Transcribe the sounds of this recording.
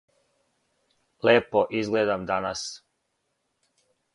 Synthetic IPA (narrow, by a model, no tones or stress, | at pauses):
leːpoʔizɡleːd̪amd̪anas